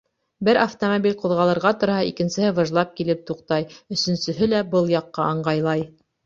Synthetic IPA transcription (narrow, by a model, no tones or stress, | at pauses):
bɘɾʔaft̪omobʲilʲqŭðʁɑlˠɤ̆ɾʁɑt̪ŏɾhɑikɘ̆nsɘ̆hɘvɤ̆ʒlˠɑp̚kilɘp̚t̪uqt̪ɑjɵ̆sɵ̆nsɵ̆ɦɘlæbɤlˠjɑqːɑɑɴɢɑjlˠɑj